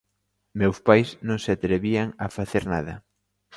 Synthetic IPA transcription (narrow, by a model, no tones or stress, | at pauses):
mewspajsnõŋsɪat̪ɾeβiaŋafaθeɾnaðɐ